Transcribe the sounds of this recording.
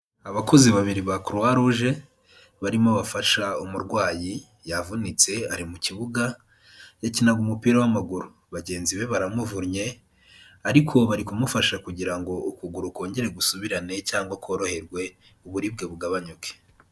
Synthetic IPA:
aβako̞ziβaβiɾiβakuɾwaɾuʒe̞ | βaɾimo̞βafaʃaumuɾɡwaːji | javunit͡se̞aɾimuciβuɡa | jacinaɡumupiːɾawamaɡuɾu | βaɟe̞ːnziβe̞βaɾamuvuɾɲe̞ | aɾikʰo̞βaɾikumufaʃakuɟiɾaŋɡo̞ukuɡuɾuko̞ːɲɟe̞ɾe̞ɡusuβiɾane̞caːŋɡwakʰo̞ːɾo̞he̞ɾɡwe̞ | uβuɾib̚ɡe̞βuɡaβaɲuke̥

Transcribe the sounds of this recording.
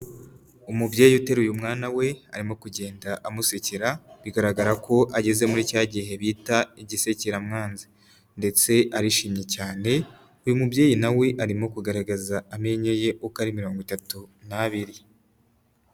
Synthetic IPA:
umubɟeːjiute̞ɾujumŋaːnawe̞a̰ɾimo̞kuɟe̞ːndaʔamuseceɾaβiɡaɾaɡaɾako̞ʔaɟe̞ze̞muɾicaːɟiɦe̞βiːtaiɟise̞ceɾamŋaːnzi | nde̞t͡se̞aɾiʃiːmɲe̞caːne̞ | ujumubje̞ːjinawe̞ʔaɾimo̞kuɡaɾaɡazaame̞ɲeje̞ʔukaɾimiɾo̞ːŋɡwitatunaβiɾi

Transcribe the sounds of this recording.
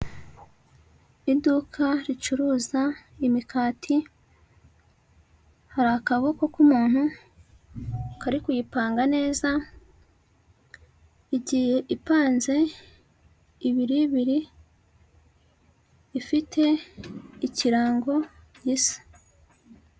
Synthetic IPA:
idukʰaɾit͡ʃuɾuːzaimikaːtʰi | haɾahakaβo̞ko̞kumuːn̥u | kaɾikujipaːŋɡane̞ːza | iɟije̞ʔipaːnze̞ | βiɾijiβiɾi | fitʰe̞ | iciɾaːŋɡo̞ɟisḁ

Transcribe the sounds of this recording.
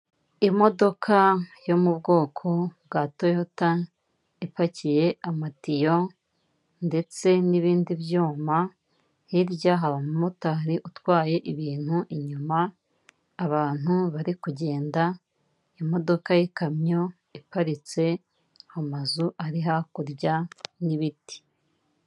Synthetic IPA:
imo̞do̞kʰajo̞mubɡo̞ːkʰo̞bɡaːtojota | ipacije̞amatijo | nde̞t͡se̞niβiːndiβjuːma | hiɾjaɦaβamumutaɾiʔutwaːje̞ʔiβiːn̥huʔiɲumaː | βaːn̥huβaɾikuɟe̞ːnda | imo̞do̞kajekamɲo̞ | ipaɾit͡se̞ | hamazuʔaɾiɦakuɾɟaniβiti̥

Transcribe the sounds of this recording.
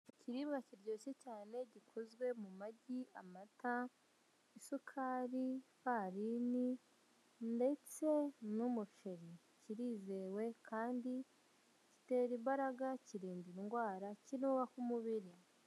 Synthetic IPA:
ciɾiːβɡaciɾɟo̞ːsecaːne̞ɟikʰozɡwe̞mumaɟia̰mata | isukʰaːɾipaːɾini | nde̞t͡se̞numuʃeɾi | ciɾiːze̞ːwe̞kʰaːndi | ci̥te̞ːɾiβaɾaɡaciɾiːndiiŋɡwaːɾacinuβakumuβiɾi

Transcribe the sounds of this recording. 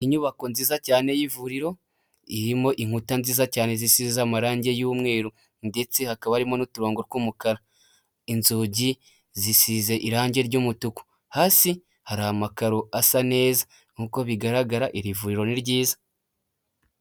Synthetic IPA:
iɲuβako̞nziːzacaːne̞jivuɾiɾo̞ | iɾimo̞ʔiŋ̥utanziːzacaːne̞zisizamaɾaːɲɟe̞juːmŋe̞ːɾu | nde̞t͡se̞hakaβaɾimo̞nutuɾoːŋɡoɾkumukaɾa | inzuːɟi | zisize̞ʔiɾaːɲɟe̞ɾɟumutuku̥ | haːsi | haɾahamakaɾo̞asane̞ːza | ŋuko̞βiɡaɾaɡaɾaʔiɾivuɾiɾo̞niɾɟiːza

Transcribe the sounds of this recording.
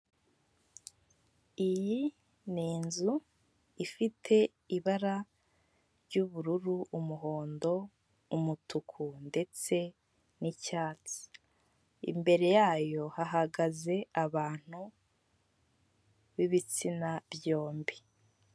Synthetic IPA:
iji | niːnzu | ifitʰe̞ | iβaɾa | ɾɟuβuɾuɾuʔumuɦo̞ːndo̞ | umutʰukʰunde̞t͡se̞ | nicaːt͡si̥ | ḭmbe̞ɾe̞jaːjo̞haɦaɡaze̞aβaːn̥hu | βiβit͡sinabjo̞ːmbi

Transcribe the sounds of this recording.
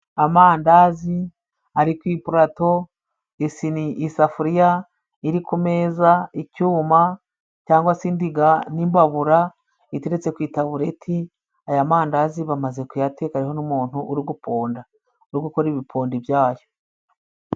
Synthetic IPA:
amaːndaːzi | aɾikwiːpuɾato̞ | isiniʔisafuɾija | iɾikume̞ːzaicuːma | caːŋɡwasindiɡanimbaβuɾa | iteɾet͡se̞kwiːtaβuɾe̞tʰi | ajamaːndaːziβamaze̞kujatekaɾiho̞numuːn̥huʔːɾiɡupʰo̞ːnda | uɾuɡuko̞ɾiβipʰo̞ːndibjaːjo

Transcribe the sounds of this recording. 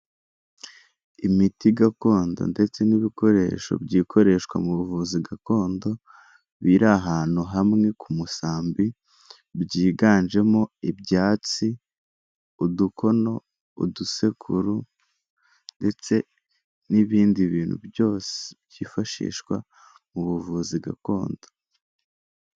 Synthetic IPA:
imitiɡako̞ːndo̞̰nde̞t͡se̞niβiko̞ɾe̞̰ːʃo̞̰bɟiːkʰo̞ɾe̞ʃkwa̰muβuvuziɡako̞ːndo̞ | βiɾaɦaːn̥uɦamŋekʰumusaːmbi | bɟiːɡaːnʒe̞mo̞ibɟaːt͡si | uduko̞no̞ | ṵduse̞kʰuɾu | nde̞t͡se̞ | niβiːndiβiːn̥hṵbjo̞ːse̥bɟiːfaʃḭːʃkwa̰ | muβuvuziɡa̰ko̞ːnd̥o̞

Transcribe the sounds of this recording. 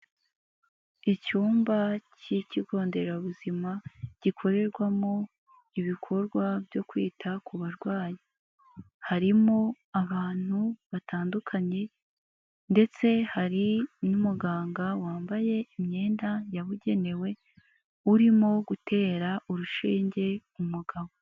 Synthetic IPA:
icuːmbaciciɡo̞ːnde̞ɾaβuzimaɟ̥ikʰo̞ɾe̞ɾɡwamo̞ | iβikʰo̞ɾɡwabjo̞kwḭːtʰakʰuβaɾɡwaːji | haɾimo̞ | aβaːn̥huβataːndukʰaɲe̞ | nde̞t͡se̞haɾinumuɡaːŋɡawaːmbaje̞imɲe̞ːndajaβuɟe̞ne̞we̞ | uɾimo̞ɡute̞ːɾaʔuɾuʃiːɲɟe̞umuɡaβo̞

